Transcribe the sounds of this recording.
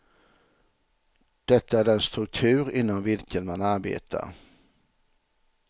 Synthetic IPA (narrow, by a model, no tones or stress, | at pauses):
d̪̥ɛt̪ːəæːɾɛnst̪ɾɵk̚t̪ʰʉ̟ːɾɪnːɔmvɪlkənmanaɾbḛːt̪ʰa̰ɾ